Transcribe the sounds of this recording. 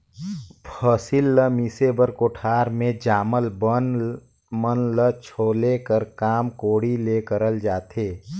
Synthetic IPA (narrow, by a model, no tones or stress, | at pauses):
pʰəsɪlːəmiːsebəɾkoːʈʰaːɾmẽd͡ʒaːməlbən | mənlət͡ʃʰoːlekəɾkaːmkoːɽileːkəɾəld͡ʒaːt̪eː